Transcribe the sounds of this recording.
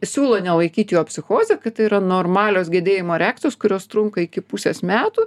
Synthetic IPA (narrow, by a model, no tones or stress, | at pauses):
sʲuːlˠoːnʲɛlˠɐɪkʲiːt̪ʲɪjoːpʲsʲɪxoːzʲɛkɐtt̪ɐɪiɾɐnoːrmɑːlʲoːsɡʲeɛd̪ʲeːjɪmoːɾʲæɑːkt̪ʲoːskʊɾʲoːst̪ɾʊŋkɐɪkʲɪpusʲḛːsmʲæːt̪uː